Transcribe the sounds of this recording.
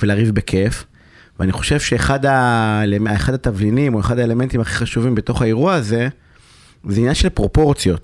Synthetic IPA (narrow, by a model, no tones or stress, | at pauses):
velaːʁivbekʰef | veaniχo̞ʃe̞v̥ʃe̞ːχadaeleeχadat̪avlinimo̞eχadae̞le̞me̞nt̪imaχi̥χaʃuvimbeto̞χaeʁuaːze̞ | zeinjanʃelpʁo̞po̞ʁt͡sjo̞t